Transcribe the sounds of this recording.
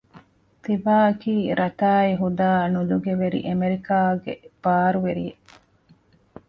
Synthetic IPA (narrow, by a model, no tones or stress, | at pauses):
t̪ibaːɐkiːɾʔɐt̪aːiɦud̪aːnuluɡeʋeɾḭʔemeɾikaːɡḛb̥aːɾuʋeɾḭje